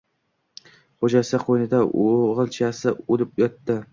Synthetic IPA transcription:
χod͡ʒasqʰojnɪd̪aoʁɨlˠt͡ʃʰasɪolɪpjɒt̪ːɪ

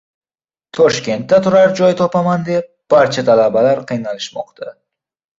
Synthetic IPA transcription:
t̪ʰɒʃkʲe̞nt̪ːat̪ʰʊɾaɾd͡ʒɒjt̪ʰɒpamand̪e̞p̚b̥aɾt͡ʃʰat̪ʰalabalaɾqʰɨjnalɪʃmɒ̰qt̪ʰa

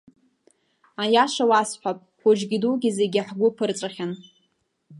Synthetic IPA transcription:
ajaʂawasħʷapʼkʷʊd͡ʒɡʲiduɡʲizeɡʲiħɡʷʊpʰɨrt͡sʷʼaχʲan

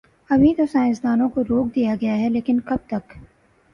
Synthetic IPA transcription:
ɐbʱit̪osaːɪ̃sd̪aːnõkoɾoːk̚d̪ijaɡɐjaɦɛleːkɪnkɐb̚t̪ɐk

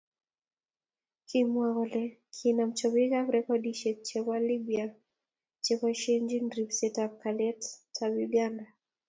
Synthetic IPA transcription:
kʰimwaɣɔlɛkʰinam̩t͡ʃɔβikakɾɛkɔdiʃɛt͡ʃɛβwalibia | t͡ʃɛkaʃɛnd͡ʒindɾipsɛtap̚kalɛttʰabiɡanda

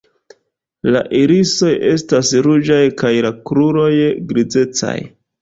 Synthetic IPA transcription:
la̰ʔiɾiso̞je̞stasɾud͡ʒajkajlakɾuɾo̞jɡɾid͡ze̞t͡sa̰j

